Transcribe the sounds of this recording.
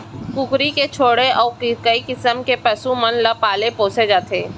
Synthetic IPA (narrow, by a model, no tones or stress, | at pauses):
kʊkɾiket͡ʃʰoːɽeʔɔːɾkkɐikɪsəmkepɐsumɐnlɐpaːlepoːsed͡ʒaːt̪ʰeː